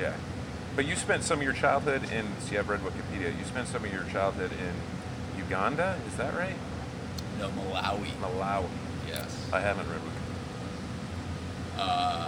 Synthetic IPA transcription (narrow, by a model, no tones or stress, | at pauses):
jæ̰ | b̥ʌt͡ʃɨ̥spɛ̃ntsʌ̃mʌvjə˞t͡ʃʰaɪlˠd̚hʊɾɪ̃nsjɨɨvɹɛd̚wʊkɨ̃pʰiɾiɨ̰jɨ̰spɛ̃ntsʌ̃mʌvjə˞t͡ʃʰaɪlˠd̚hʊɾɪ̃n | jʉɡɑ̃ndəɨzðɨʔɹaɪt̚ | noʊməla̰wiməlawḭ | jɛ̰sʔaɪævə̃n̩ʔɹɛd̚wʌkɨ̃pʰiiɾ | ʌ